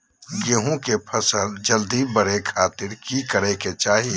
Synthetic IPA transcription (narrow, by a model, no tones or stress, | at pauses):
ɡeːɦõkepʰəsəld͡ʒəld̪ibəɾekʰaːt̪ɪɾkikəɾeket͡ʃaːɦi